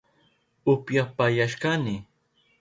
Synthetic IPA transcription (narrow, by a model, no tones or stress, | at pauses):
ʊpjapajaʃkanɪ